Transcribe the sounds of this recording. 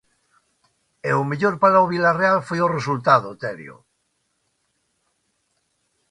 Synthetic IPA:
eomeʎoɾpaɾaoβilarealfojoresult̪aðot̪eɾj̰o̰

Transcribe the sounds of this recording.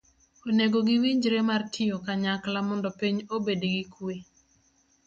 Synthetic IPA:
oneɡoɡiwiɲd͡ʒɾemartʰɪjokaɲaklamɔndɔpiɲobedɡikwe

